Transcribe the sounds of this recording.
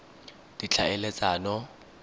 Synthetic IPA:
d̥it͡ɬʰaɛlet͡sʼaːnɔ

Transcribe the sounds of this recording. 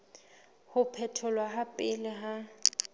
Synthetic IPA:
hʊpʰɛtʰʊlwaɦapʼɪlɪɦa

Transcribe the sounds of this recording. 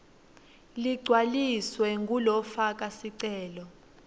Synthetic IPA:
liɡ͡ǀʱwaliswɛŋɡʱulɔfak̬ʼasiǀɛːlɔ

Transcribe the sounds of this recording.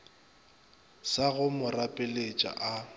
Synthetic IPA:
saɣʊmʊrapʼɪlet͡ʃʼa̰ʔa

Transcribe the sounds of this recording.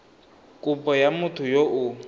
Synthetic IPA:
kʼʊpʼɔjamʊtʰʊjoʔʊ

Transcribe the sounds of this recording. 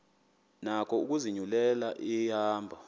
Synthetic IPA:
nakʰɔuk̬uziɲulɛlaʔijaːmbʱa

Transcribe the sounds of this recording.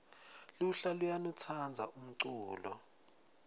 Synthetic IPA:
luɬalujanut͡sʰand͡zʱa̰ʔum̩ǀuːlɔ̰

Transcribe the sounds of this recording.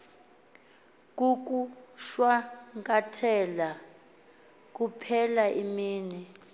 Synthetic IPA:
k̬ʼuk̬ʼuʃwaŋkʼatʰɛla | k̬upʰɛlaʔimiːni

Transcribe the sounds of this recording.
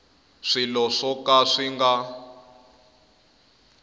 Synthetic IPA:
ʂilɔʂɔkaʂiŋɡa

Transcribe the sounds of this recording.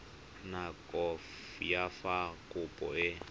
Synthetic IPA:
nakʼɔf | jafakʼʊpʼɔ̰ɪ

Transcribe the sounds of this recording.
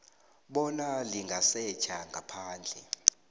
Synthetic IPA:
ɓɔnaliŋɡʱasɛ̥t͡ʃʰaŋɡʱapʰaːnd͡ɮʱɛ̰

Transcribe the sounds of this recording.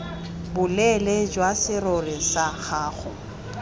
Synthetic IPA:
bʊlɛled͡ʒwasɪrʊrɪsaɣaːɣʊ

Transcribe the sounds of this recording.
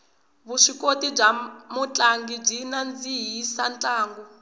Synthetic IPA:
βuʂikotib͡ʐamut͡ɬʼaŋɡib͡ʐinand͡ziɦisant͡ɬʼaːŋɡɔ

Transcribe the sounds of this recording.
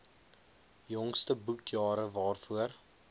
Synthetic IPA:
jɔŋstəbukjɑːɾəvɑːrfuər

